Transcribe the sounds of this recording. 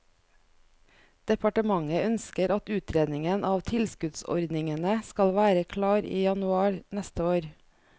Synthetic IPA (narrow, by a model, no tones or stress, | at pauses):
d̪̥ɛpʰɑʈəmɑŋəœnskəɾɑt̪ʉːt̪ʰɾeːd̪nɪŋənʔɑːʋt̪ʰɪlskʉt̪sɔ̰ɾd̪nɪŋənəskɑlʋæːɾəkʰlɑːɾḭːjɑnʉɑːɾnɛst̪əoːɾ